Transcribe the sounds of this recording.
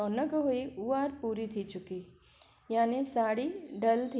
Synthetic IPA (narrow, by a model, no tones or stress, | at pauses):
ɔnəɡɦoiuʋaɾpuːɾit̪ʰit͡ʃuki | jaːnisaɽiɖəlt̪ʰ